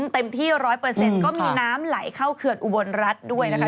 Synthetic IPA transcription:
nt̪e˧mt̪ʰiː˥˩ɾɔː˦˥jpɤː˧se˧nkɔː˥˩miː˧naː˦˥mla˩˦jkʰa˥˩wkʰɯ˧ənʔu˧˩bo˧nɾa˦˥t̪̚du˥˩əjna˦˥kʰa˥

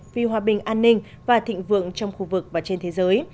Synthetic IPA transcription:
vi˨˩ɦwaː˨˩ɓï˨˩ŋ̟ʔaː˧nːï˧ŋ̟ | vaː˨˩t̪ʰḭ˧˨ŋ̟vɨ̰˧˨əŋt͡ɕɔ˧wŋ͡mxu˧vɨ˨˩k̚vaː˨˩t͡ɕe˧nt̪ʰe˨˦zəː˨˦j

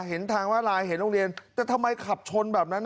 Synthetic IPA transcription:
ɦe˩˦nt̪ʰaː˧ŋwaː˥˩ɾaː˧jhe˩˦nloː˧ŋɾi˧ənt̪ɛː˨˩t̪ʰa˧mːa˧jkʰa˨˩p̚t͡ɕʰo˧nbɛː˨˩p̚na˦˥nː

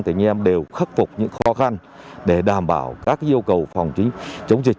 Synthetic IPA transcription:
ŋt̪ʰi˧˩ŋ̟ʔɛ˧mɗe˨˩wxə˦˥t̚fʊ˨˩k͡p̚ɲɨ̰˧˥ŋxɔ˨˦xa˧nɗe˧˩ɗaː˨˩mɓa̰ː˧˩wkaː˦˥k̚ʔi˧əwkə˨˩wfɔ˨˩wŋ͡mt͡ɕï˨˦ŋ̟t͡ɕə˨˦wŋ͡mzi˨˩k̚

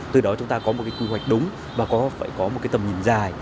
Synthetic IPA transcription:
t̪ɨ˨˩ɗɔ˨˦t͡ɕʊ˨˦ŋ͡mt̪aː˧kɔ˨˦mo˨˩t̚kaː˨˦kwi˧wa˨˩jk̟̚ɗʊ˨˦ŋ͡m | vaː˨˩kɔ˨˦fa̰ː˧˨jkɔ˨˦mo˨˩kaː˨˦jt̪ə˨˩mɲḭ˨˧˩nzaː˨˩j

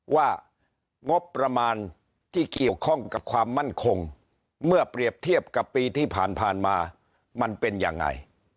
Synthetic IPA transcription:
waː˥˩ | ŋo˦˥pːɾa˧maː˧n | t̪ʰiː˥˩ki˨˩əwkʰɔ˥˩ŋka˨˩p̚kʰwaː˧mːa˥˩nkʰo˧ŋ | mɯ˥˩ɐpɾi˨˩əp̚t̪ʰi˥˩əp̚ka˨˩pːiː˧t̪ʰiː˥˩pʰaː˨˩npʰaː˨˩nmaː˧ | ma˧npe˧nja̰ː˧˩ŋːa̰˧j

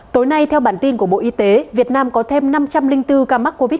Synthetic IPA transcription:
t̪o˨˦jna˧jt̪ʰɛ˧wɓaː˧˩nt̪i˧nku˧˩əɓo̰˧˨ʔi˨˧t̪e˨˦vi˨˩ət̚naː˧mkɔ˨˦t̪ʰe˧mna˧mt͡ɕa˧mlï˧ŋ̟t̪ɨ˧kaː˧ma˦˥k̚ko˧vi˦˥

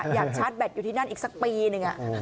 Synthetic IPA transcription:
jaː˨˩k̚t͡ɕʰaː˦˥t̪̚bɛ˨˩t̪̚juː˨˩iː˥˩na˥˩nʔiː˨˩k̚sa˦˥k̚piː˧nɯ˨˧ŋʔa˨˩

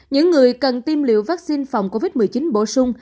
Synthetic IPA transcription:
ɲɨ̰˧˥ŋːɨ˨˩əjkə˨˩nt̪i˧mlḭ˧˨əwvaː˦˥k̚si˧nfa˨˩wŋ͡mko˧vi˦˥t̚mɨ˨˩əjt͡ɕi˨˦nɓo̰˧˩sʊ˧ŋ͡m

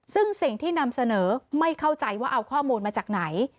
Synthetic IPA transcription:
sɯ˥˩ŋsi˨˩ŋt̪ʰiː˥˩na˧msa˧nɤː˩˦ma˥˩jkʰa˥˩wt͡ɕa˧jwaː˥˩ʔa˧wkʰɔː˥˩muː˧nmaː˧t͡ɕaː˨˩k̚na˩˦j

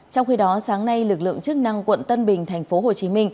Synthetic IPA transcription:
t͡ɕɔ˧wŋ͡mxi˧ɗɔ˨˦saː˨˦ŋna˧jlɨ˨˩k̚lɨ̰˧˨əŋt͡ɕɨ˦˥k̚na˧ŋkwə̰˧˨nt̪ə˧nɓï˨˩ŋ̟t̪ʰɛ˨˩jŋ̟fo˨˦ɦo˨˩t͡ɕi˨˦mï˧ŋ̟

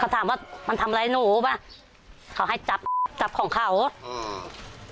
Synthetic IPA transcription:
a˧˩wt̪ʰaː˨˦mwaː˧˩ma˧nt̪ʰmʔa˧a˧˥jnuː˨˩˦baː˧˩ | kʰa˧˩˦wɦa˥˩jt͡ɕa˨˩p̚t͡ɕa˨˦p̚kʰɔː˩˦ŋkʰa˧˩w

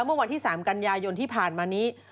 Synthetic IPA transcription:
mɯ˥˩ɐwa˧nt̪ʰiː˥˩saː˩˦mka˧njaː˧jo˧nt̪ʰiː˥˩pʰaː˨˩nmaː˧niː˦˥

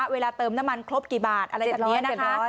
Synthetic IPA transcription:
a˦˥weː˧laː˧t̪ɤː˧mna˦˥mːa˧nkʰɾo˦˥p̚kiː˨˩baː˨˩t̪̚ʔa˧ɾa˧jn˦˥ɐna˨˩kʰː

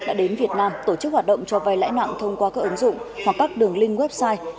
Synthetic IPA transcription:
ɗa̰ː˧˥ɗe˨˦nvi˨˩ət̚naː˧mt̪o˧˩t͡ɕɨ˦˥k̚hwaː˨˩ɗə̰˧˨ŋ͡mt͡ɕɔ˧va˧jla̰ː˧˥jma̰ː˧˨ŋt̪ʰə˧wŋ͡mkwaː˧kaː˦˥kʔə˨˦nzʊ̰˧˨ŋ͡mhwa˨˩kːaː˦˥k̚ɗɨ˨˩əŋlï˧ŋ̟wɛ˦˥p̚saː˧j

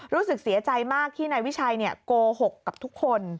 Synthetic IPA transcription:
ɾuː˦˥sɯ˨˩k̚si˨˩˦ɐt͡ɕa˧jmaː˥˩k̚t̪ʰiː˥˩naː˧jwi˦˥t͡ɕʰaː˧jni˥˩ɐkoː˧ho˨˩kːa˨˩p̚t̪ʰu˦˥kʰːo˧n

